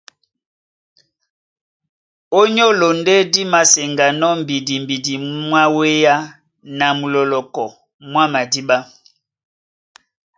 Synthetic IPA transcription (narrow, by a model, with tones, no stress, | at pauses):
o˦ɲɔ˦lo˨nde˦di˦ma˨se˨ŋɡa˨nɔ˦m̩˨bi˨di˨m˨bi˨di˨mwa˦we˦ja˦ | na˨mu˨lɔ˨lɔ˨kɔ˨ | mwa˦ma˨di˦ɓa˦